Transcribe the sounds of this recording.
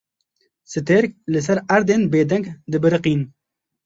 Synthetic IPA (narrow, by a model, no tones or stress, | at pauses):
sɨt̪eːɾk̚lɨs̬ɐɾɐɾd̪eːnbeːd̪ɐŋɡd̪ɨbɨɾɨqiːn